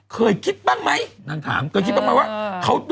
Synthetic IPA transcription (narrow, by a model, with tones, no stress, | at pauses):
kɨː˧˩jki˦˥t̚ɓaː˦˥n̚ma˨˦jna˧ŋt̪ʰa̰ː˨˩˦mkɨː˧˩ki˦˥t̚ɓaː˧˥ma˧˦waː˧˦˥xə˧wɗ